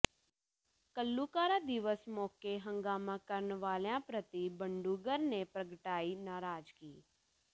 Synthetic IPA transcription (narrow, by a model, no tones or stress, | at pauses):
kəlːuːkaːɾaːd̪ɪʋəsmɔːkeɦəŋɡaːmãːkəɾənʋaːlejãːpɾət̪ibəɳɖuːɡəɾneːpɾəɡʈaːiːnaːɾaːd͡ʒkiː